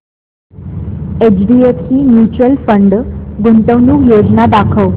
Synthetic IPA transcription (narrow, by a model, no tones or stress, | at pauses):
ed͡ʑɖietiːmjut͡ɕɾəlfəɳɖɡunt̪əʋnuːkjod͡znad̪akʰəʋ